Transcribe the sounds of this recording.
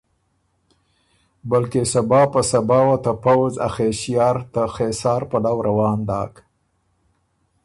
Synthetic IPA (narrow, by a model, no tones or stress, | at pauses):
balkesabɑːpəsabɑːwat̪apawza̰xeʃijɑːɾt̪axesɑːɾpalawɾʔawɑːnd̪ɑ̰ːk